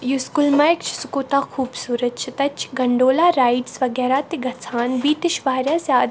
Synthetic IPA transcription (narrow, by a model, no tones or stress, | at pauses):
juskulmɐjkt͡ʃʰsukoːt̪aːkʰuːbsuːɾɐt͡ʃʰit̪ɐt͡ʃʰɡɐɳɖoːlaːɾaːjiʈsʋɐɡɛːɾaːt̪iɡɐt͡sʰaːnbiːt̪iʃʋaːɾʲjaːsjaːd̪